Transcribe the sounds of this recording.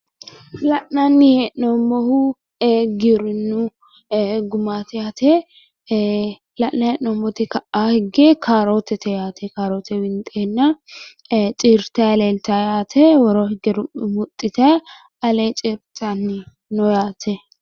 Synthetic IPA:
lɐʔnɐnːɪhɛʔnomɔhu | ɡɪɾɪnːu | ɡʊmaːt̪ɛjaːt̪ʰe | lɐʔnɐhɛʔnomːɔt̪ɪkɐʔahɪɡɛkʰaːɾoːt̪ɛt̪ʰɛjaːt̪ʰɛkaːɾoːt̪ɛwɪnt̪ʼenːɐ | t͡ʃʼiːɾt̪ɐjleːlt̪ajaːt̪ʰɛwɔɾoːhɪɡɛɾʊmmʊt̪ʼːɪt̪ɐ | ɐlet͡ʃʼiːɾt̪ʰanːɪ | nɔjaːt̪ʰɛ

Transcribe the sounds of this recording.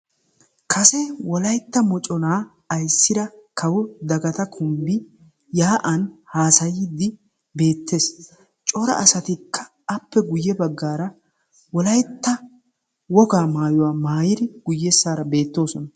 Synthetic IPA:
kʰɐsɛwɔlɐjt̪ːɐmɔt͡ʃʼɔnaː | ɐjsːɪd̪ɐkʰɐwɔd̪ɐɡɐt̪ɐkʰʊmbɪ | jaːʔɐnhaːsɐjɪd̪ːɪ | be̞ːt̪ːe̞ːs | t͡ʃʼɔɾɐ̰ʔɐsɐt̪ɪkːɐ̥ | ɐpːɛɡʊjːɛbɐɡːaːɾɐ | wɔlɐjt̪ːɐ | wɔɡaːmaːjɔwaːmaːjɪd̪ɪɡ̥ʊjːɛsːaːɾɐbe̞ːt̪ːo̞ːsɔnɐ

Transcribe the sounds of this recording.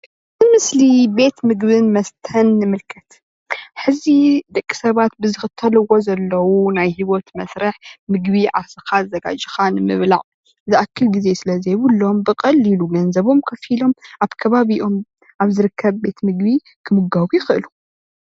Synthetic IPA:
zɨmɨslibe̞t̪mɨɡbɨnmɐst̪ʰɐnːɨmɨlkʰɐt̪ | ħɨzid̪ɐkʼːi̥sɐβat̪̚bɨzɨxɨt̪ʰːɐlɨwozɐlːɐwunajhiwot̪mɐsɾɐħmɨɡbiʕasɨkazɐɡa̰d͡ʒixanɨmɨ̰βla̰ʕ | zɨʔakʰːɨlɡize̞sɨlɐzeβɨlːo̞mbɨkʼɐlːiluɡɐnzɐβo̞mkʰɐfilo̞mʔaβkʰɐβaβiʔo̞m | ʔaβzɨɾɨkʰːɐβːe̞t̪mɨɡbi | kʰɨmɨɡawujixɨʔɨlu

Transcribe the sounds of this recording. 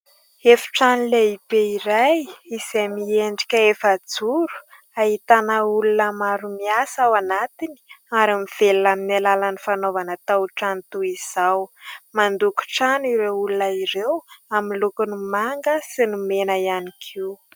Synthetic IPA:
efi̥ʈ͡ʂanileibeiɾajizemieɳɖ͡ʐi̥kʲəefad͡zuɾu̥ | ahit̪anəulunəmaɾumiasawanat̪ini̥aɾamiv̥elunaminalalanifanovanat̪awʈ͡ʂant̪uiz̥awmand̪uku̥ʈ͡ʂaniɾewulunəiɾewaminlukunimaŋɡəsinumenəianikʰiw

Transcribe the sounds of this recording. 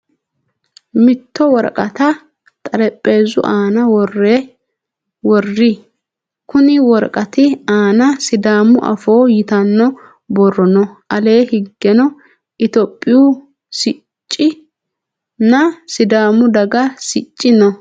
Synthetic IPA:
mɪt̪ːɔwɔɾkʼɐt̪ɐ | t̪ʼɐɾɛpʼːe̞ːzʊ̰ʔaːnɐwɔrːe | wɔrːɪ | kʊnɪwɔɾkʼɐt̪ɪaːnɐsɪd̪aːmʊʔɐ̰foːjɪt̪ɐnːɔ | bɔrːɔnɔʔɐle̞ːhɪɡːɛnɔ | ʔɪt̪ɔpʼːɪjʊ | sɪ | t͡ʃʼːɪ | nɐsɪd̪aːmʊd̪ɐɡɐsɪt͡ʃʼːɪnɔ

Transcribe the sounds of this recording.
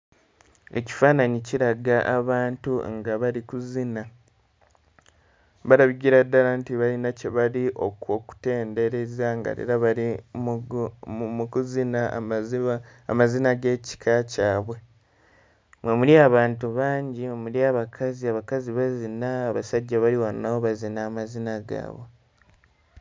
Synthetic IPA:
e̞̰ci̥faːnaɲiciɾaɡaʔaβaːntuŋɡaβaɾikuzina | βaɾaβiɡiɾadːalantiβalinaceβaliʔo̞kwoku̥te̞ːnde̞ɾe̞zaŋɡa̰ɾḛɾaβaɾi | mukuzinai | a̰mazinaɡe̞ːci̥kʰacaːβwe̞ | mwemuliaβaːntuβaːɲɟimwemuliaβakʰaziaβakaziβazinaːβasaɟːaβaliwannawoβazinaːmazinaɡa̰ːβwe̞

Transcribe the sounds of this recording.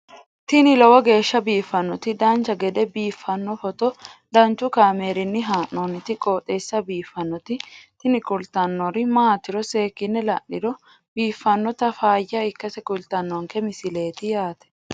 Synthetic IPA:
t̪ɪnɪlɔwɐɡe̞ːʃːɐbiːfːɐnːɔt̪ɪd̪ɐnt͡ʃːɐɡɛd̪ɛbiːfːɐnːɔfɔt̪ɔd̪ɐnt͡ʃːʊkaːmeːɾɪnːɪɦaːnːonɪt̪ɪkʼoːt̪ʼːe̞ːsːɐbiːfːɐnːɔt̪ɪt̪ɪnɪkʼʊlt̪ɐnːɔɾɪmaːt̪ːɪɾɔse̞ːkːɪnːɛlɐ̰ʔːɪdɔ | biːfːɐnːɔt̪ɐfaːjːɐɪkːɐsɛkʼʊlt̪ɐnːɔŋkɛmɪsɪle̞ːt̪ɪjaːt̪ɛ̥

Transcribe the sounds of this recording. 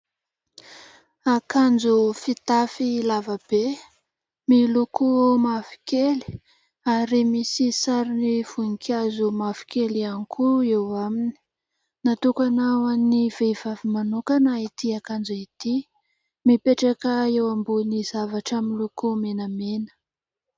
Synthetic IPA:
akand͡zufit̪afilavab̥e | milukumafi̥keli̥ | aɾimisisaɾiniv̥unikʰʲazumafi̥kelianikʰuewamini̥ | nat̪ukanawannivevavimanukanait̪iakand͡zuit̪i | mipeʈ͡ʂakəewambunizavaʈ͡ʂaminlukumenəmenə̥

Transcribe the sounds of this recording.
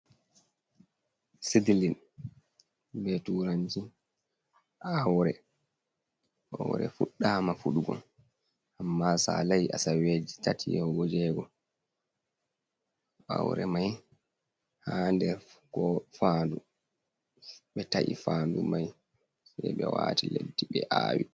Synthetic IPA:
sidilin | bɛtuɾaɲd͡ʒi | ʔawɾɛ | ʔɔwɾɛ̰fuɗːaːmafuɗuɡɔ̰n | ʔamːasa̰lajʔasawed͡ʒitatʰiɔɡɔd͡ʒɛɡɔ | ʔawɾɛmaj | handɛɾkɔfaːndu | ɓɛtaʔḭfaːndumaj | sɛjɓɛwaːtiledːiɓɛʔaːwi

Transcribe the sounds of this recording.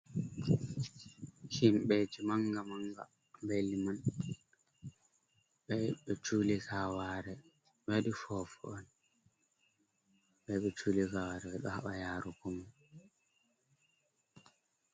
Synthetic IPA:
ʃimɓed͡ʒimaŋɡamaŋɡa̰ | mbeliman | ɓɛɓɛt͡ʃulikawaɾɛ | ɓaɗifɔfuɔn | ɓɛɓɛt͡ʃuːlikawaɾɛɓɛɗɔhaɓajaːɾukɔman

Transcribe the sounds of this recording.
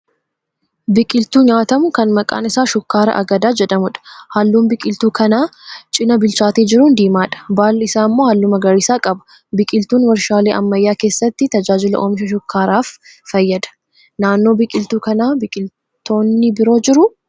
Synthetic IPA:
bɪkʼɪlt̪uːɲaːt̪ɐmʊkɐnmɐkʼa̰ːnɪsaːʃʊkːaːɾɐ̰ʔɐ̰ɡɐd̪aːd͡ʒɛᶑɐmʊᶑɐ̥hɐlːuːnbɪkʼɪlt̪uːkɐnaːt͡ʃʼɪnɐbɪlt͡ʃaːt̪iːd͡ʒɪɾuːnd̪iːmaːᶑɐ̥baːlɪsaːmːoːhɐlːʊmɐɡɐɾiːsaːkʼɐbʊ̥ | bɪkʼɪlt̪uːnmɐɾʃaːleːʔɐ̰mːɐjːaːke̞ːsːɐt̪ːɪt̪ɐd͡ʒaːd͡ʒɪlɐ̰ʔoːmʃɐʃʊkːaːɾaːffɐjːɐd̪ɐ̥ | naːnːo̞ːbɪkʼɪlt̪uːkɐnaːbɪkʼɪl | t̪o̞ːnːɪbɪɾo̞ːd͡ʒɪɾʊ

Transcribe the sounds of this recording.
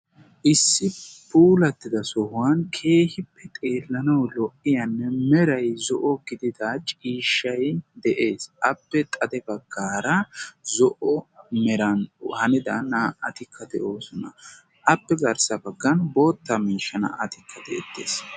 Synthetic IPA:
ʔɪsːɪpuːlɐt̪ːɪd̪ɐsɔhʊwɐnkʰe̞ːhɪpːɛt̪ʼe̞ːlːɐnɐwlɔʔɪjɐnːɛmɛɾɐjzɔʔɔɡɪd̪ɪd̪ɐt͡ʃʼiːʃːɐjd̪ɛʔe̞ːsʔɐpːɛt̪ʼɐd̪ɛbɐɡːaːɾɐzɔʔɔmɛɾɐnhɐnɪd̪ɐnɐɐt̪ɪkʰːɐd̪ɛʔo̞ːsɔnɐ̰ | ʔɐpːɛɡɐɾsɐbɐɡːɐnbo̞ːt̪ːɐmiːʃːɐnɐ̰ʔɐt̪ɪkʰːɐd̪ɛ̰ʔɛt̪ːḛːs

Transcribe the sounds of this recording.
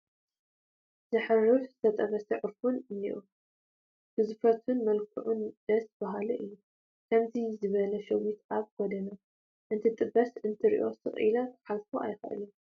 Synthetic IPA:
zɨħɨrɨfzɨt̪ʰɐt̪ʼɐβɐsɨʕfunɨnḭʔu | b̥ɨzɨfɾɐt̪ʰunmɐlkʰɨʕund̪̥ɐsb̥aɦaluʔɨjːu | kʰɐmzizɨβɐlɐʃɐwit̪ʔaβɡ̥ɔd̪ɐnɐ | ʔɨnt̪ʰɨt̪ʼɨbːɐsɨnt̪ʰɨɾḭʔo̞sɨ̰χʼʔḭlɐt̪ʰħazfoʔa̰jxɐ̰ʔɨ̰lɐm

